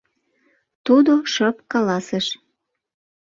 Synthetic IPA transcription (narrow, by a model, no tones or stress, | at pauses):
t̪ud̪oʃəpkɑlɑseʃ